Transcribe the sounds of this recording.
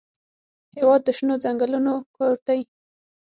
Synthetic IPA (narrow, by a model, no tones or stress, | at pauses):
hewɑd̪ːəʃnod͡zaŋɡəlunokʰoɾt̪aj